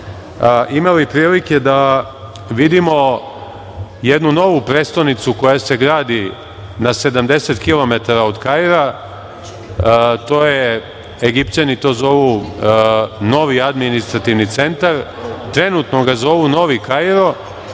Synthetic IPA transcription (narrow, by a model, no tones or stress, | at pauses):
ʔimalipɾiːlike̞d̪a | ʋid̪imo̞ | jed̪nuno̞ʋupɾet̪st̪onit̪suko̞jase̞ɡɾaːd̪i | nase̞d̪amd̪e̞set̪kilo̞me̞t̪aɾaod̪kajɾa | t̪o̞je | eɡipt͡ɕanit̪o̞ːzo̞ʋu | no̞ʋiad̪minist̪ɾat̪iʋnit̪se̞nt̪aɾ | t̪ɾe̞nut̪no̞ɡazo̞ʋuno̞ʋikajɾo̞